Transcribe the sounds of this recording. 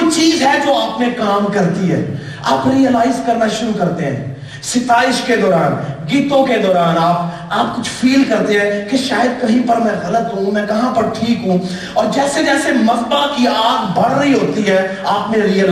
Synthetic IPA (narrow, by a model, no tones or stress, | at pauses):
t͡ʃiːzɦɛd͡ʒoːaːpnẽkaːmkɐɾt̪iɦɛ̰ː | aːpɾiːjəlaːɪzkɐɾnaʃʊɾukɐɾt̪eɦɛ̰̃ː | sɪt̪aːɪʃked̪ɔːɾaːnɡiːt̪õked̪ɔːɾaːnaːp | aːp̚kʊt͡ʃʰfʰiːlkɐɾt̪ẽɦɛ̃keʃaːjəd̪̚kɐɦĩpɐɾmɛ̃ɣɐlət̪ɦũmɛ̃kɐɦãpɐɾʈʰiːkɦũ | ɔːɾd͡ʒɛːsed͡ʒɛːsemɐzbakiaːd̪bɐɽɾəɦiɦoːt̪iɦɛː | aːpnẽɾijəl